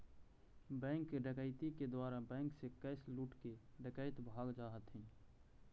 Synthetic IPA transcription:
bɛ̃ːŋkɖəkaːɪt̪iked̪waːɾabɛ̃ːŋksekɛːsluːʈkeɖɪkaːɪt̪bʱaːɡd͡ʒaːɦət̪ɦĩː

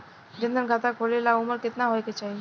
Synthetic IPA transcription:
d͡ʒɪ̃nd̪ənɡʱat̪akʰolelaʊməɾkɪt̪naɦojket͡ʃaɦi

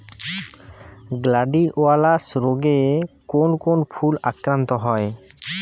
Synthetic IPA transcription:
ɡlaɖiʔoalasɾoɡekonkonpʰulakɾant̪ɔɦɔe

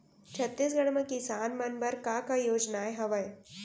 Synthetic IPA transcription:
t͡ʃʰɐt̪ːis̬ɡəɽ̃mẽkɪsaːnmɐnbɐɾkakajoːd͡ʒnaːeɦɐʋəj

